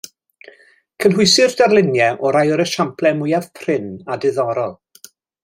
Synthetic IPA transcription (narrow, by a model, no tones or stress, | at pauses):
kʰənɦʊsɪrd̥arlˠɪnjɛʔɔɾajɔɾəʃampʰlˠɛmʊjav̥pʰrɪnadɪðɔɾɔlˠ